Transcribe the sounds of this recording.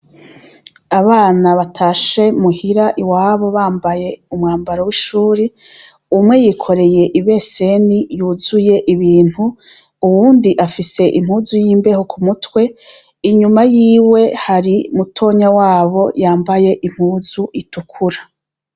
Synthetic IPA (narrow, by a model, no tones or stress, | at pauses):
aβaːnaβatʰaːʃe̞muhiɾaʔiwaːβoβaːmbaje̞umŋaːmbaɾawiʃuːɾi | umŋe̞jikʰo̞ɾe̞je̞ʔiβe̞se̞nijuːzuje̞ʔiβiːn̥hu | uwuːndiʔafise̞ʔim̥huːzujiːmbe̞hokʰumutwe̞ | iɲumajiːwe̞haɾimutʰo̞ːɲawaːβo̞jaːmbaje̞ʔim̥huːzuʔitukʰuɾa